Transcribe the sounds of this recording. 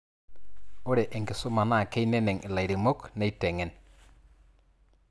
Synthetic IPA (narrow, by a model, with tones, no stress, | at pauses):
o˦ɾɛ˨ʔɛ˨ŋkɪ˨sʊ˦ma˨na˦˨ke˦i˦nɛ˦nɛ˨ŋʔɪ˨la˨jɾɪ˨mo˦knɛ˦i˦tɛ˨ŋɛ˨˦n